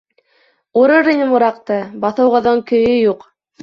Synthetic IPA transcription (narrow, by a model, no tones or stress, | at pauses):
uɾɤɾinɘmuɾɑqt̪ɤbɑθɤ̆wʁɑ̆ðɤŋkɵ̆jɵjuq